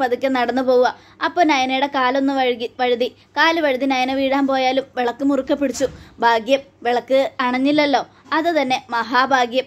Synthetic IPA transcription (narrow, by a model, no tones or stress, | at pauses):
pɐd̪ikʲːɐnɐɽɐnːɨpo̞ːwuɣɐ | ɐpːonɐjɐnejuɽe̞kaːlo̞nːɨɐɻiʋɐɻuði | kaːlɨʋɐɻuðinɐjɐneʋiːɽaːnpo̞ːjaːlumʋeɭɐkːɨmurukːɐpːeɽit͡ɕːubʱaːɡjɐmʋeɭɐkːɨɐɳɐɲːilːɐlːo̞ː | ɐðɨt̪ɐnːe̞mɐɦaːbʱaːɡjɐm